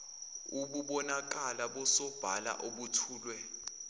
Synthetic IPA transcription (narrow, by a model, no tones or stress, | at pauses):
uɓuɓɔnak̬alaɓɔsɔb̥ʱala̰ʔoɓutʰuːlwɛ